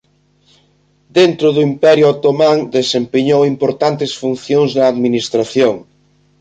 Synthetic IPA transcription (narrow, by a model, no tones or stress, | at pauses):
d̪ent̪ɾʊðuimpɛɾjuat̪omãŋd̪esempeɲowimpoɾt̪ant̪esfun̟θjoŋznɐːðminist̪ɾaθjoŋ